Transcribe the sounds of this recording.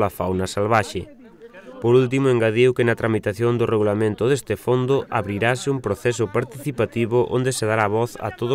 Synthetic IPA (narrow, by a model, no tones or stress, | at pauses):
lafawnɐsalβaʃɪ | poɾult̪̬imʊeŋɡaðewkɪnɐt̪ɾamit̪aθjond̪ʊreɣulamẽnt̪ʊðest̪ɪfond̪ʊa̰βɾiɾasɪumpɾoθɛs̬ʊpaɾt̪iθipat̪iβʊʔo̰nd̪eseð̞aɾaβɔθɐ̰t̪oðʊ